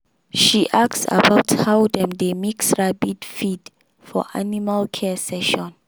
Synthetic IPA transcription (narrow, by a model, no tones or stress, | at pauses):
ʃiʔaktsa̰bawthawdɛ̃mdemiksɹabidfid | fɔ̰ʔanimalkʰɛsɛʃɔ̃n